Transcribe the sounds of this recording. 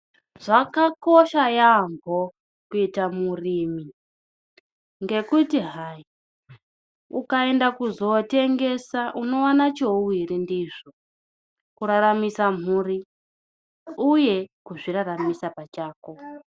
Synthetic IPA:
ʐ̥akakoʃajamɡʱo | kuitamuriːmi | ŋɡe̞kutiɦai | ukae̞ndakuzo̞te̞ŋɡe̞saʔuno̞wanat͡ʃouwiɾindiʐo | kuɾaɾamisam̤uri | uje̞kuʐiraramisapat͡ʃaːko̞

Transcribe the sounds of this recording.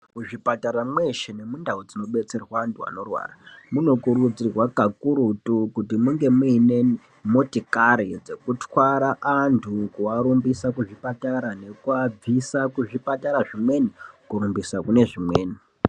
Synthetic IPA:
muʐipataɾamwe̞ʃene̞mundaud͡zino̞ɓe̞t͡se̞rwaːntʰua̰no̞rwa̰ːramuno̞kurud͡zirwakakuɾutukutimuŋɡe̞muine̞ | mo̞tikaɾid͡ze̞kutwaɾaʔantʰukuaɾumbisakuʐipataɾane̞kuab͡visakuʐipataɾaʐimwe̞nikuɾumbisakune̞ʐimwe̞ːni

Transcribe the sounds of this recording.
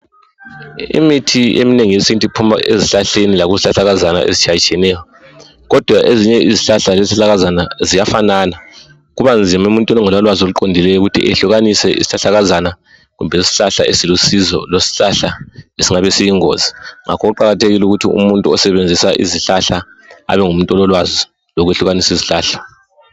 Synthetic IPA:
ḭmitʰiḛmineŋijesintʼipʰuma̰ʔeziɬaɬenilaɣuziɬaɬaɣazana̰ʔḛzit͡ʃʰajit͡ʃʼʰɛnɛːjɔ | ɣɔd̥ʱwaʔeziɲɛʔiziɬaɬaleziɬaɣazanazijafanaːna | ɣuβand͡zʱimaumuntʼwinɔŋɛlwalwazoluǃondʱilɛjuɣutʰḭʔɛɬuɣanisɛʔḭsi̥ɬaɬaɣazana | ɣumbʱɛisi̥ɬaɬa̰ʔesilusizɔ̰losi̥ɬaɬaesiŋaβesijiŋo̰ːziŋa̰kʰɔɣuǃaɣatʰeɣiluɣutʰiṵmuntʼuɔsɛβend͡zʱisaʔḭziɬaɬa | a̰βɛŋum̩ntʼɔlɔlwazɔ | loɣuweɬuɣanisiziɬaːɬḁ

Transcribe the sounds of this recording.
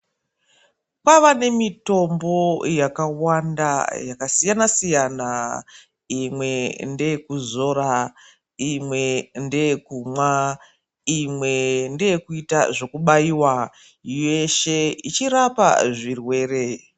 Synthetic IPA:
pwaʋane̞mito̞mbo̞jakawanda̰jakasijanasijana | imwe̞nde̞kuzo̞ɾa | imwende̞kumwa | imwe̞ndejekuitaʐo̞kuɓaiwa | jeʃe̞it͡ʃirapa̰ʐirwe̞ːre̞

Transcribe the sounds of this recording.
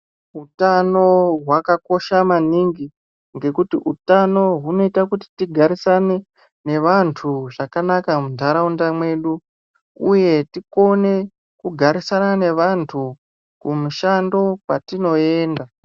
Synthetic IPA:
ɦutano̞ɦwakako̞ʃamaniŋɡi | ŋɡe̞kutiʔutano̞ɦuno̞itakuti̥tiɡʱaɾisane̞ | ne̞ʋantʰuʐakanakamundʱaɾaundamwe̞ɗu | uje̞tiko̞ne̞ | kuɡʱaɾisanane̞ʋantʰu | kumuʃando̞watino̞e̞ːnda

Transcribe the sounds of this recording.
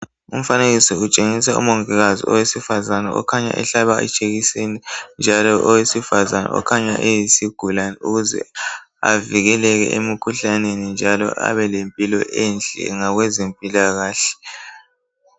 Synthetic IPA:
um̩faneɣisiut͡ʃʼeŋisaṵmoŋɛɣazḭɔ̰wesifazanaɔ̰kʰaɲa̰ʔɛ̰ɬaβaɛ̰t͡ʃʼeɣisenind͡ʒʱalɔʔɔwesifazana̰ɔ̰kʰaɲa̰ʔejisiɡ̥ʱulanɛuɣuzɛ̰ | a̰viɣɛlɛɣɛ̰ʔemikʰuɬanenind͡ʒʱalɔ̰ʔa̰βɛlempʼilɔ̰ʔɛnd͡ɮʱɛ̰ŋaɣwɛzempʼilaɣaːɬɛ̥

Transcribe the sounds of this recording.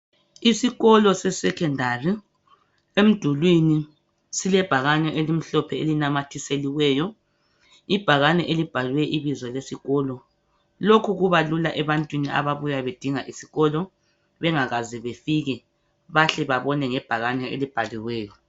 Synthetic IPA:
isiɣɔlɔsɛsɛkʰɛndʱari | em̩d̥ʱulwini | silɛb̥ʱaɣanɛʔelim̩ɬɔpʰɛelinamatʰiseliwɛːjɔ | ib̥ʱaɣanɛʔelib̥ʱalwɛʔiβizɔlesiɣɔːlɔ | lokʰuɣuβalulaʔɛβantʼwinia̰βaβujaβed̥ʱiŋaʔisi̥ɣɔlɔ | βɛŋaɣaziβefiɣɛ | βaɬɛβaβɔnɛŋɛb̥ʱaɣanɛḛlib̥ʱaliwɛːjɔ

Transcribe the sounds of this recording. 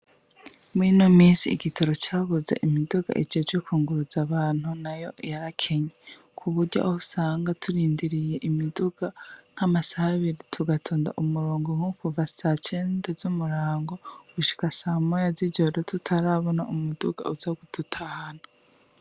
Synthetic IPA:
mwinomiːsiːɡitʰoɾo̞caːβuzḛʔimiduɡa̰ʔed͡ʒod͡ʒokuːŋɡuɾuzaβaːn̥unajo̞̰jaɾakʰe̞ɲe | kʰuβuɾɟa̰ohusaːŋɡatʰuɾiːndiɾije̞ʔimiduɡ̥aŋ̥hamasahaβiɾitʰuɡatʰoːnda̰ʔomuɾoːŋɡoŋukuvasat͡ʃe̞ːndezumuɾaːŋɡo̞ɡ̥uʃi̥kasaːmojaziɟoɾotutʰaɾaβo̞na̰ʔumuduɡ̥a̰uzaɡututʰahana

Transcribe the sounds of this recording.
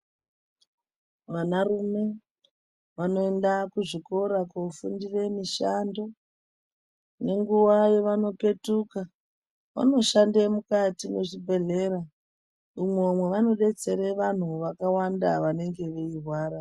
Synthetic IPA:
ʋanarume̞ | ʋano̞e̞ndakuʐiko̞ɾakofundire̞miʃando̞ | ne̞ŋɡuʋajeʋano̞pe̞tuka | ʋa̰no̞ʃandemukatineʐibʱe̞ɮe̞ɾa | umwemwe̞ʋano̞ɗe̞t͡se̞ɾeʋan̤uʋakawandaʋane̞ŋɡe̞ʋe̞irwaːɾa

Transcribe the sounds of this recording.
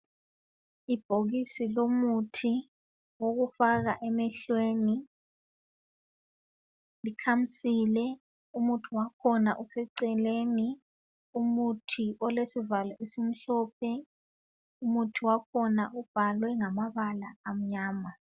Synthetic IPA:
ib̥ʱoɣisilomutʰi | woɣufaɣa̰ʔɛmɛɬweni | likʰam̩siːlɛ | umutʰuwakʰɔna̰ʔusɛǀɛleːni | umutʰiʔɔlesivalaʔisim̩ɬɔpʰɛ | umutʰiwakʰɔnaʔub̥ʱalwɛŋamaβalaːm̩ɲaːma

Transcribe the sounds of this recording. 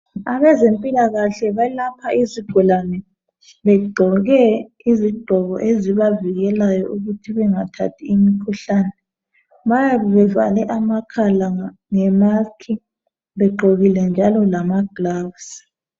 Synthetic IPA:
aβɛzempʼilaɣaɬɛβalapʰaiziɡ̥ʱulanɛ | βɛɡ͡ǃʱɔɣɛ | iziɡ͡ǃʱɔɣɔʔeziβaviɣɛlajɔʔuɣutʰiβɛŋatʰa̰tʰiːmikʰuɬanɛ | βajaβɛβɛva̰lɛʔamakʰalaa | ŋɛmakʰi | βɛɡ͡ǃʱoɣilɛnd͡ʒʱalɔlamaɡ̥lavs

